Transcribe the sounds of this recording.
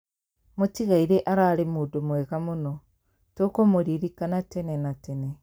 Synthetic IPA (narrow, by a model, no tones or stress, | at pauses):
motiɣaiɾeʔaɾaːɾemuːdomwɛɣamonɔ | tokomoɾiɾikanatɛnɛnatɛnɛ